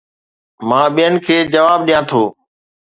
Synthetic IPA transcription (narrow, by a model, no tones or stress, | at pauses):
mãːɓijənɪkʰeːd͡ʒəʋaːbɗijãːt̪ʰoː